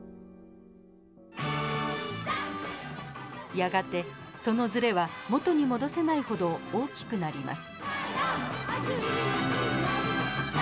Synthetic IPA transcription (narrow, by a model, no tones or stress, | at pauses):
jaɡat̪e̞so̞no̞zɨɾe̞βamo̞t̪o̞ɲ̟imo̞d̪o̞se̞naiho̞d̪o̞oːkʲi̥kɯ̟naɾʲima̰sɨ̥